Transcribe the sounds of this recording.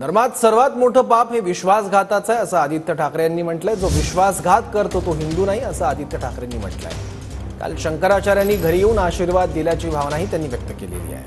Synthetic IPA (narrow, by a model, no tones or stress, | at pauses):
d̪əɾmat̪səɾʋat̪moʈʰəːpapɦẽʋiɕʋasɡʱat̪at͡sajəsəad̪ʱit̪jəʈʰakɾjanːiːm̤əʈlajd͡zoʋiɕʋasɡʱat̪kəɾt̪ot̪oɦind̪uːnaɦiːəsəad̪ʱit̪jəʈʰakɾjanːiːm̤ə̰ʈla̰j̰ | ka̰lɕəŋkəɾat͡ɕaɾjanːiːɡʱəɾijeuːnaɕiːɾʋad̪ːiljat͡ɕiːbʱaʋnaɦiːt̪janːiːʋjək̚t̪əkelḛlḭːa̰j